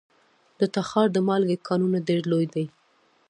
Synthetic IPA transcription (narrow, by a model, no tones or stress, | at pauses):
d̪̥ət̪axɑɾd̪əmɑlɡekʰɑnunaɖeɾlojd̪aj